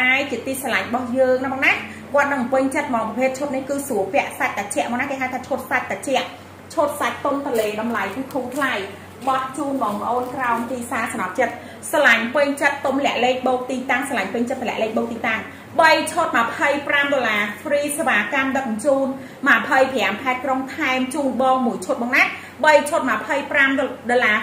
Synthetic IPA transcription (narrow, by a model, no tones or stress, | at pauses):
aɛjt͡ɕiət̪iːsalaɲɓɑhjəːŋnɨŋmɔːŋnaː | kŏət̪̚nɨŋmpɨɲt͡ɕət̪̚mɔːŋpɑpʰeːt̪̚t͡ɕʰoːt̪̚nihkɨːsuəpɛ̆əʔsac̚t̪at͡ɕɛ̆əʔmɔːŋnaːkeːɦaːt̪ʰaːt͡ɕʰot̪̚sac̚t̪at͡ɕɛ̆əʔ | t͡ɕʰoːt̪̚sac̚t̪ont̪ɔleːɗɑmlajkukʰuːt̪ʰlaj | ɓɑt̪̚t͡ɕuːnɓɑːŋpə̆ʔoːnkraɔmt̪iːsaːkɑnɑp̪̚t͡ɕət̪̚ | salaɲpɨɲt͡ɕət̪ːomlɛ̆əʔleːk̚ɓɔːk̚t̪iːt̪aŋsalaɲpɨɲt͡ɕət̪̚ʰːlɛ̆əʔleːk̚ɓɔːk̚t̪iːt̪aŋ | ɓəjt͡ɕʰoːt̪̚məpʰəjpramɗolaːfriːseʋaːkamɗək̚t͡ɕuːn | məpʰəjpʰɛamkʰaɛt̪̚kroŋt̪ʰaɛmt͡ɕuːnɓɑːŋmuəjt͡ɕʰoːt̪̚ɓɔːŋna | ɓəjt͡ɕʰoːt̪̚məpʰəjpramɗolaː